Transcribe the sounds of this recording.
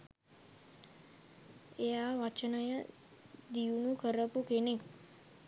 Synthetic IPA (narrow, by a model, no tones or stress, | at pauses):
ejaʋat͡ʃənəjə | d̪iunukəɾəpukenek